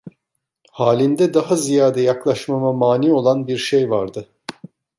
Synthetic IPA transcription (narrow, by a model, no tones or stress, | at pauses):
haːlʲind̪ɛd̪aɦazijaːd̪ɛjaklˠaʃmamamaːniːo̞lˠanbiɾʃejvaɾd̪ɯ